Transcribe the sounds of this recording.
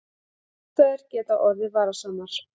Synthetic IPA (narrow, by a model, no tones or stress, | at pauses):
θœɥɛɾ̥cɛːt̪aɔɾðɪvaːɾasaːnːaɾ̥